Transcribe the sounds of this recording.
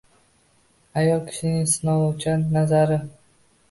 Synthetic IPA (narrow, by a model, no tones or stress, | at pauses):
ajɒlˠkʲʰɪ̥ʃɪnɪŋsɪnɒlɒwt͡ʃʰanazaɾɪ